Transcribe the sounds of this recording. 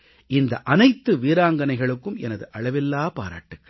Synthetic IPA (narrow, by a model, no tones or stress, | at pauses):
ʔɪnd̪ɐʔɐnɐɪt̪ːɯʋiːɾaːŋɡɐnɐɪɣɐɭɯkːɯmʔɛ̰nɐðɯʔɐɭɐʋɪlːaːpa̰ːɾa̰ːʈːɯkːɐ